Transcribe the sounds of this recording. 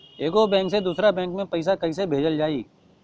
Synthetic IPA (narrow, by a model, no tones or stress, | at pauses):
eːkobɛ̃ːŋksed̪uːsɾabɛ̃ːŋkmẽpɐɪs̬akɐisebʱeːd͡ʒəld͡ʒaːiː